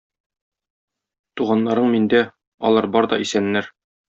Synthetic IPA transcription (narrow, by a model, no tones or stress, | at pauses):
t̪uʁɑnːɑɾɤɴmind̪æ | ɒ̰lˠɑɾbɒɾd̪ɒisænːæɾ